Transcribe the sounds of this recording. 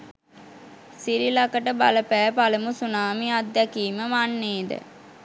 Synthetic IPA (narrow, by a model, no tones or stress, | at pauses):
siɾilakəʈəbaləpæːpaləmusunaːmiad̪ːækiːməʋanːeːd̪ə̰